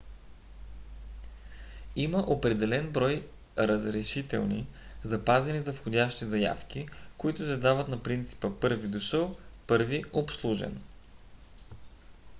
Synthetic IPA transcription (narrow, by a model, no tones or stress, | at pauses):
iməʔopɾɛd̪ɛlɛnbɾɔj | ɾəzɾɛʃit̪ɛ̰lˠnizɐpazɛnizɐfxodʲaʃt̪izɐja̰fk̟ikoit̪ʊd̪ɛd̪avət̪nɐpɾint̪si̥pəpɤɾvid̪oʃɤlˠpɤɾviopslˠuʒɛ̰n